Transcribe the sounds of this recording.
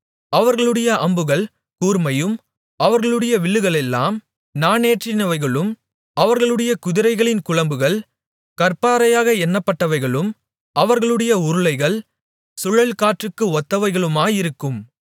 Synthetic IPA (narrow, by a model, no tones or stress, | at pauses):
ɐʋɐɾɣɐɭɯɽɐjɐʔɐmbɯɣɐɭ | kuːɾmɐjɯm | ɐʋɐɾɣɐɭɯɽɐjɐʋɪɭːɯɣɐɭɛlːa̰ːm | naːneːʈrɪnɐʋɐɪɣɐɭɯm | ɐʋɐɾɣɐɭɯɽɐjɐkʊðɪɾɐɪɣɐɭɪnkʊɭɐmbɯɣɐɭ | kɐɾpaːɾɐjaːɣɐɛnːɐpːɐʈːɐʋɐɪɣɐɭɯm | ʔɐʋɐɾɣɐɭɯɽɐjɐʊɾɯɭɐɪɣɐɭ | sʊɻɐɭkaːʈrɯkːɯɔt̪ːɐʋɐɪɣɐɭɯmaːjɪɾɯkːɯm